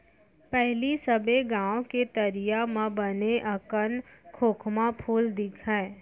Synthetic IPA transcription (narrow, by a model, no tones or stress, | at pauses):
pɛɦlisəbeɡãːoket̪əɾijamãbəneʔɐkənkʰoːkʰmãpʰuːld̪ɪkʰɛː